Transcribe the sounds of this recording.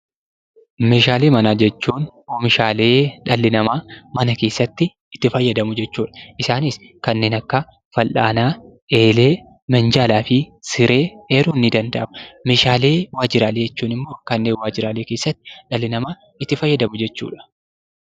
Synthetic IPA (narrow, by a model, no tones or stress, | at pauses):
me̞ːʃaːleːmɐnaːd͡ʒɛt͡ʃːuːnoːmɪʃaːle̞ːᶑɐlːɪnɐmaːmɐnɐke̞ːsːɐt̪ːɪ | ɪt̪ːɪfɐjːɐd̪ɐmʊd͡ʒɛt͡ʃːuːᶑɐ̥ʔɪsaːniskɐnːe̞ːnɐkːɐ | fɐlʔaːnaːʔe̞ːleː | mɛnd͡ʒaːlaːfɪsɪɾe̞ːeːɾuːnːɪd̪ɐnd̪ɐʔɐmʊmeːʃaːleːwaːd͡ʒɪɾaːleːd͡ʒɛt͡ʃːuːnɪmːo̞ːkɐnːeːnwaːd͡ʒɪɾaːleːkeːsːɐt̪ːɪ̥ᶑɐlːɪnɐmaː | ɪt̪ːɪfɐjːɐd̪ɐmʊd͡ʒɛt͡ʃːṵːᶑɐ̥